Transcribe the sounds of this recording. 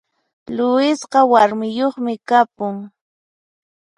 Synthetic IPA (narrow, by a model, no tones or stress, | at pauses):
lʊɪsqɑwaɾmɪjoχmɪkapʊŋ